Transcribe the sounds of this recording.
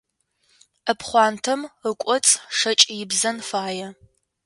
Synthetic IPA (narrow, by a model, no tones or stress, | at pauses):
əpʰχʷɑːntʰɐməkʷʼɔt͡sʼʂɐt͡ʃʼjɪbzɐnfaːjɛ